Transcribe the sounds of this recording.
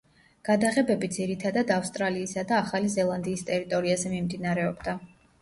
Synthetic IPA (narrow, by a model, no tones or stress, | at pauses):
ɡ̥ad̪aʁɛbɛbid̪ziɾit̪ʰad̪ad̪afst̪ʼɾaliːsad̪aːχalizɛlˠand̪iːst̪ʼɛɾit̪ʼɔɾiazɛmimd̪inaɾɛɔbd̪a